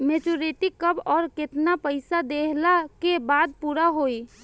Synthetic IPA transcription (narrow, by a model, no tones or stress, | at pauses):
met͡ʃuɾeʈikːəbɔːɾket̪napəɪsad̪eɦlakebaːd̪̚puːɾaɦoi